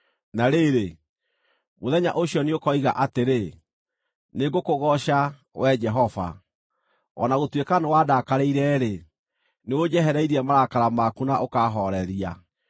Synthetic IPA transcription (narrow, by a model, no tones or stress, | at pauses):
naɾeɾe | moðɛɲa̰ʔoɕjɔneokɔiɣa̰ʔateɾe | neɡokoɣɔɕa | wɛd͡ʒɛɦɔva̰ | ɔ̰naɣotwekanewaːdaːkaɾeiɾɛːɾe | neod͡ʑɛɦɛɾɛiɾiɛmaɾakaɾamakunaʔokaɦɔɾɛɾia